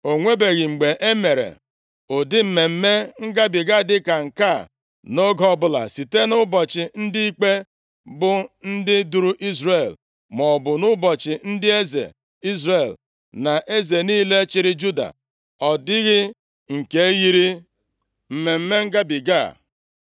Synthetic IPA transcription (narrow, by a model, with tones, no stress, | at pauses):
o˨ŋʷe˦be˨ɣɪ˨ŋ͡m̩˨ɡ͡be˨ʔe˦me˨ɾḛ˨ | o˨dɪ˦m̩˨me˨m̩˦me˦ŋ̩˦ɡa˦bɪ˨ɡa˦˨dɪ˦ka˨ŋ̩˨ka˦˨ | no˦ɡɔ˦˨bʊ˦la̰˨si˨te˦nʊ˦bɔ˨t͡ʃɪ˨n̩˦dɪ˦i˦k͡pe˦ | bʊ˨n̩˦dɪ˦du˨ɾu˦ʔi˦zɾe˨l | mɔ˨bʊ˨nʊ˦bɔ˨t͡ʃɪ˨n̩˦dɪ˦e˦zḛ˨ | i˦zɾe˨l | na˨ʔe˦ze˨niː˦le˦t͡ʃɪ˦ɾɪ˦d͡ʒu˦da̰˨ | ɔ˨dɪ˦ɣɪ˦ | ŋ̩˨ke˨˦ji˦ɾi˦ | m̩˨me˨m̩˦me˦ŋ̩˦ɡa˦bi˨ɡa̰˦˨